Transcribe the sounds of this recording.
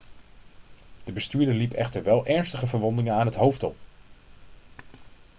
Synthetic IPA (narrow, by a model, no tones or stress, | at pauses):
d̥əbəstyːɹdəɹlipɛ̰χtəɹʋɛlˠʔɛɹnstəχəvəɹʋɔndɪŋənaːnɦətɦowftɔ̰l